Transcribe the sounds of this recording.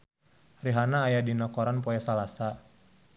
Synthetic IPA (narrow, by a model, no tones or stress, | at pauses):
riɦanaːjadinakɔɾanpɔjasalasa